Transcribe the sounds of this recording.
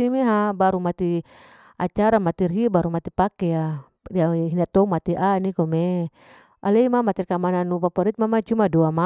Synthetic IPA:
imeɦabaɾumat̪i | a̰t͡ʃaɾamat̪irɦibaɾumat̪ipakɛja | aɦinat̪ɔumat̪iʔanikɔme | a̰lɛimamat̪irkamananupapaɾit̪̚mamat͡ʃumaduama

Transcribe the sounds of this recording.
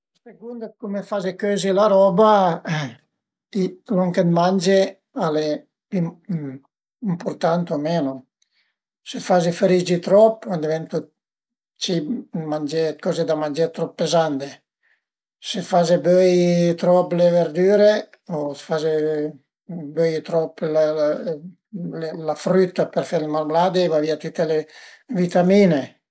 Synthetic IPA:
seɡund̪ekumefazekøːzilaɾɔba | iloŋked̪mand͡ʒe | ale | im | impoɾt̪ant̪omeːno | sefazifeɾid͡ʒit̪ɾɔpːand̪ivɛnt̪u | t͡ʃimand͡ʒekɔzed̪amand͡ʒeɾt̪ɾɔpːezand̪e | sefazebøjt̪ɾɔpleveɾd̪yːɾe | osfaze | bøjt̪ɾɔpla | llafɾyt̪ːapeɾfeɾlemaɾmlad̪evaviat̪ut̪ːelevit̪amiːne

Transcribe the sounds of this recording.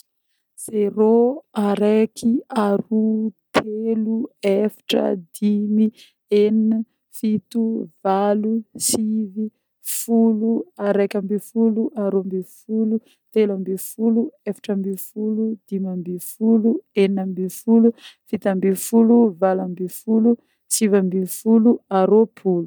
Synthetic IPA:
z̥eɾoaɾekiaɾut̪ʰeluefḁʈ͡ʂə̰d̪imi | ennu | fit̪uvalusivi | fuluaɾekambifuluʔaɾombifulu | t̪elambifuluefḁʈ͡ʂəmbifulud̪̥imambifulueninambifulufit̪ambifuluvalambifulu | sivambifuluaɾopʰulu

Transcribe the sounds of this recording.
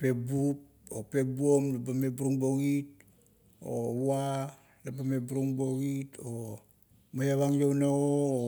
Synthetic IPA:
pe̞bup̚ | ope̞buomlabamebuɾuŋboɡit̚ | o̰wa | labame̞buɾuŋboɡito | majaβaŋjownao

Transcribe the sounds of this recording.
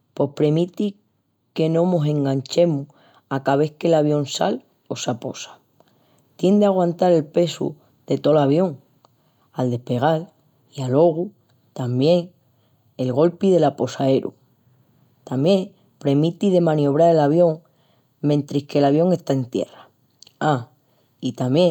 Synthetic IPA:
po̞hpɾe̞mit̪i | ke̞nõ̞mo̞sẽ̞ŋɡaɲt͡ʃe̞mu | akaβ̞e̞ke̞laβjo̞nsa̰l | o̞sapo̞̰sḁ | t̪je̞nd̪eaɣ̞wãnt̪aɾe̞lpe̞sṵ | ð̥e̞t̪o̞laβjo̞ŋ | ald̪e̞hpe̞ɣ̞al | ialo̞ɣu | t̪ambje̞ŋ | e̞lɣo̞lpiðe̞lapo̞sae̞ɾʔṵ | t̪amjẽ̞ŋ | pɾe̞mit̪iðe̞mãnio̞β̞ɾaɾelaβ̞jo̞ŋ | mẽ̞nt̪ɾihke̞laβjo̞ŋe̞st̪aent̪je̞ra | a | it̪amje

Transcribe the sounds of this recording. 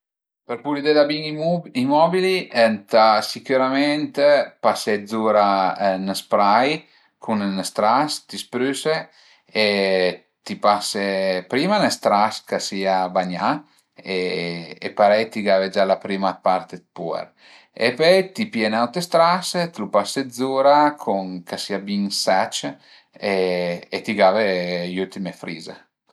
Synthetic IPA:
peɾpulid̪ed̪abiŋimɔbiliɛnt̪asikuɾamɛnt̪pased̪zuɾanəspɾaj | kʰunnəst̪ɾast̪ispɾyse | e | t̪ipasepɾiːmanəst̪ɾaskasiːabaɲa | eepaɾɛjt̪iɡaved͡ʒalapɾiːmapaɾt̪et̪̚puɛ̰ɾ | ḛpøjt̪ipjenawt̪est̪ɾaset̪lupased̪zuːɾakʰuŋkasiːabiŋsɛt͡ʃ | eet̪iɡavejult̪imefɾiːza̰

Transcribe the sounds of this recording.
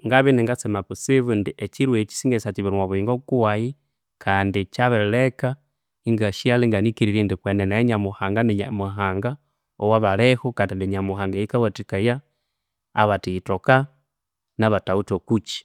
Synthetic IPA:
ŋɡaβiniŋɡasemapusiβundiʔet͡ʃiɾwet͡ʃi̥siŋɡesat͡ʃiβiɾwaβuiːŋɡoukuwaji | kʰaːndit͡ʃaβelleka | iŋɡaʃialiŋɡanikiɾiɾindikwenenajeɲamuhaːŋɡaniɲamuɦaːŋɡa | owaβalehukadiniɲamuxaːŋɡeikawatikajaː | βatitoka | naβatautokut͡ʃi̥

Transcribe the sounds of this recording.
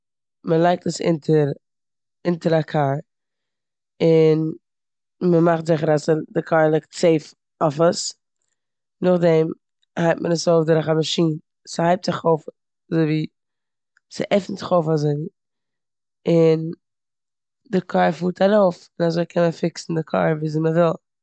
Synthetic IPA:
məlˠaɪk̚təsɪ̰ntʰəɾ | ɪntəɾakʰaɾ | ɪn | məmaχtzɪχəɾasdɪkʰaːɾlˠɪk̚tseɪf | ɔfəs | nʊχdɛm | haɪt̚mʔənəsoʊfdɪɾaχabəʃiːn | sɪhaɪp̚tz̥ɪχoʊf | azoɪviː | sɪ̰ʔɛfn̩zɪχoʊfazoɪviː | ɪn | dɪkʰaːɾfuːtʰaɾoʊfɪnazoɪkʰɛnməfɪksn̩dɪkʰa̰ːɾviːziməvɪlˠ

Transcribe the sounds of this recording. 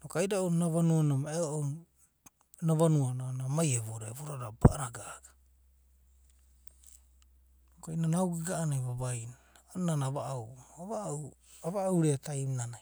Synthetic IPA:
nokajdaownnaβanuanamaeoʔon | naβanuananamajeβoɾeβoɾaɾabaaɾaɡaɡ̥a | nokainanawɡiɡaʔːnajβabajnaananaβaʔawaβaw | aβaawɾeatajmnana

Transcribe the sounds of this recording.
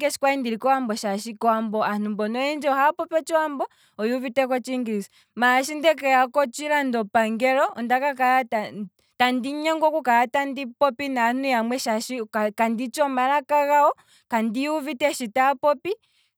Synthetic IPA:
ɡɛʃi̥kwaindiɾikɔambɔʃaʃikɔambɔanumbɔnɔɛnd͡ʒɛɔhapɔpɔt͡ʃɔambɔ | ɔjuvitɛkɔt͡ʃiŋɡiɾisi | maʃindɛkajakɔt͡ʃiɾandɔpaŋɡɛɾɔɔndakakaata | tandiɲɛŋɡɔkukaatandipɔpinanujamwɛʃaʃikkandit͡ʃɔmalakaɣaɔ | kandiuvitɛʃitapɔpi

